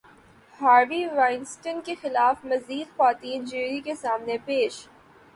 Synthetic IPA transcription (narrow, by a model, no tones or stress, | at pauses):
haːɾbiɾaːɪnsʈənkexɪlaːfmɐziːd̪xaːt̪iːnd͡ʒiːɾikesaːmnepeːʃ